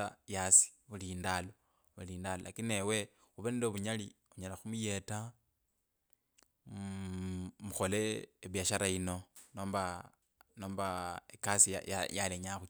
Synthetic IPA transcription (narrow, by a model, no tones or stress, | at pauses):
ajasi̥βulindalo̞ | βuliːndalolakine̞we̞ | uβanendoβuɲali | uɲalaxumuje̞ta | muxo̞leːβjaʃaɾaino̞noːmba | noːmbaekasḭjjaleɲaxu